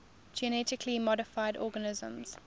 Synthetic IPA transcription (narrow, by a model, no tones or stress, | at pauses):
d͡ʒɛnɛtɪkʰlimɔɾɪfaɪdɔːɡənɪzə̰̃mz̥